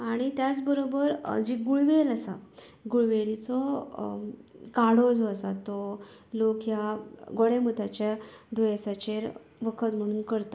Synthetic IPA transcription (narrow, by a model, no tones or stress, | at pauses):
aɽ̃it̪jat͡sbəɾobəɾd͡ʑiɡuɭʋeləsa̰ | ɡuɭʋelit͡sɔ | kaɽod͡zɔəsat̪ɔ | lokjaɡoɽemut̪at͡ɕjad̪ojesat͡ɕeɾ | ʋəkʰət̪m̤əɽ̃uːnkəɾt̪a